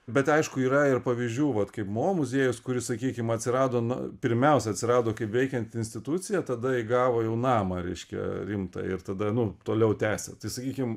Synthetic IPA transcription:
bʲɛt̪ɐɪʃkʊiːɾɐɪrpɐʋʲiːzʲd͡ʒʲuːʋɐt̪kɐɪpmoːmʊzʲeɛjʊskʊɾʲɪsɐkʲiːkʲɪmɐtʲsʲɪɾɑːd̪oːn̰pʲɪɾʲmʲɛʊsʲɛɐt̪ʲsʲɪɾɑːd̪oːkɐɪpʋʲɛɪkʲɛnt̪ɪnsʲt̪ʲɪt̪utt͡ssʲɪjɛt̪ɐd̪ɐɪɡɑːʋoːjɛʊnɑːmɐɾʲɛ̰ɪʃʲkʲɛ̰ɾʲɪmt̪ɑ̰ɪ̰rt̪ɐd̪ɐnʊt̪oːlʲɛʊt̪ʲæːsʲɛ̰t̪ɐɪsɐkʲiːkʲɪm

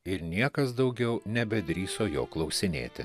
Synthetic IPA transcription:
ɪɾnʲiɛkɐs̬d̪ɐʊɡʲɛʊnʲɛbʲɛd̪ʲɾʲiːsoːjo̰ːklˠɐʊsʲɪnʲḛːt̪ʲɪ

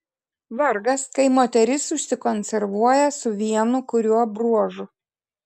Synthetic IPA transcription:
ʋɐɾɡɐskɐɪmoːt̪ʲɛɾʲɪsʊʃʲsʲɪkɔnʲsʲɛɾʋuɔjɛsʊʋʲiɛnʊkʊɾʲuɔbɾuɔʒʊ

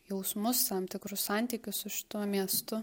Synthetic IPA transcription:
jɛʊsmʊst̪ɐmt̪ʲɪkɾʊssɑˑnʲt̪ʲikʲʊssʊʃʲɪ̥t̪uɔmʲiɛst̪ʊ

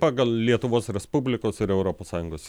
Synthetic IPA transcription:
pɑːɡɐlˠlʲiɛt̪ʊʋoːsɾʲɛspʊbʲlʲɪkoːsɪɾɛʊɾoːpoːsɑːjʊŋɡoːs

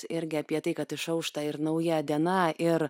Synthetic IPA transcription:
ɪɾʲɡʲɪɐːpʲiɛt̪ɐɪkɐt̪ɪʃɐʊʃt̪ɐɪɾnɐʊjæd̪ʲiɛnɑʔɪɾ

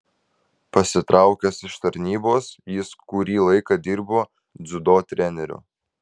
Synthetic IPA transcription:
pɐsʲɪt̪ɾʔɑˑʊkʲɛsɪʃt̪ɐɾʲnʲiːboːsjɪskʊɾʲiːlˠɐɪkɐd̪ʲɪɾboː | d̪zʊd̪oːt̪ʲɾʲɛnʲɛɾʲʊ̰

